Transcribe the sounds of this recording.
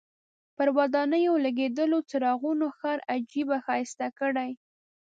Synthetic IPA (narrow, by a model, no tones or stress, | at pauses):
pəɾwad̪ɑnəjolaɡed̪əlot͡saɾɑɣunoxɑɾad͡ʒibaxɑjɪst̪akəɽaj